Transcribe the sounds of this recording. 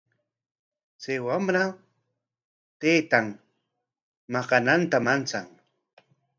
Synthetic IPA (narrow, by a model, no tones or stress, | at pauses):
t͡sajwamɾa | t̪ejt̪aŋ | mɑqɑnant̪amant͡saŋ